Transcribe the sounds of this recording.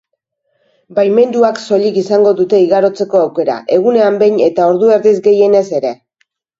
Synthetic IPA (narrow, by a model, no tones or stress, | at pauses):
bajme̞nd̪uakso̞ʎikisaŋɡo̞ðut̪e̞iɣaɾo̞t͡se̞ko̞awke̞ɾa̰ʔe̞ɣ̞une̞ambe̞jɲe̞t̪ao̞ɾðue̞ɾðizɡe̞je̞ne̞se̞ɾe̞